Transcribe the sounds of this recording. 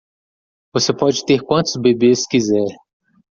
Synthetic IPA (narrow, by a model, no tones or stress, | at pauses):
vosepɔd͡ʒɪt̪eɾkwɐ̃nt̪ʊzbebeskizɛɾ